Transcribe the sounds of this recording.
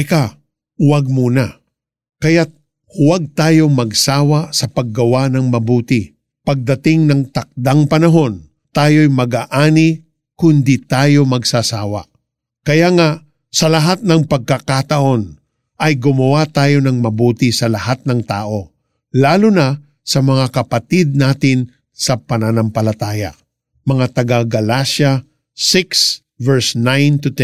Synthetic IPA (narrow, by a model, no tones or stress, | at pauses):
ɪka | wɐɡ̚muːnɐ | kɐjat̪̚ | waɡ̚t̪aːjo̞mɐɡsaːwɐsɐpɐɡːɐwanɐŋmɐbuːt̪ɪ | pɐɡ̚d̪ɐt̪ɪŋnɐŋt̪ɐk̚d̪aŋpɐnɐɦo̞n | t̪aːjo̞jmɐɡaʔaːni | kʊnd̪it̪aːjo̞mɐɡsasa̰ːwɐ̰ʔ | kɐjaŋaʔ | sɐlɐɦat̪̚nɐŋpɐɡ̚kɐkat̪ɐʔo̞n | ʔɐjɡʊmɐwat̪aːjo̞nɐŋmɐbuːt̪isɐlɐhat̪̚nɐŋt̪a̰ːʔo̞ | laːlʊnɐ | sɐmɐŋakɐpɐt̪id̪̚naːt̪ɪn | sɐpɐnanɐmpɐlɐt̪aːjɐ̰ | mɐŋat̪ɐɡaɡɐlaʃɐ | sɪks | vɛɹsnajnt̪ʊt̪ɛn